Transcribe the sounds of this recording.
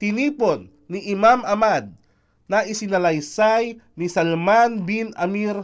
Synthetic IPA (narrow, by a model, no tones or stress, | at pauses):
t̪ɪniːponːiʔɪmamʔɐmad̪̚ | naʔɪsɪnɐlɐjsajnisɐlmanbinɐmiɾ